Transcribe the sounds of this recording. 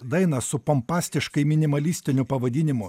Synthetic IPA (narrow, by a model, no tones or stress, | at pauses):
d̪ɐɪnɐsʊpɔmpɑːsʲt̪ʲɪʃkɐɪmʲɪnʲɪmɐlʲiːsʲt̪ʲɪnʲʊpɐʋɐd̪ʲinʲɪmʊ